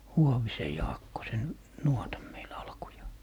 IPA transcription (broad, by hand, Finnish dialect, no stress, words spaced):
huoʋise jɑːkːo sen nuotɑm meil ɑlkujɑː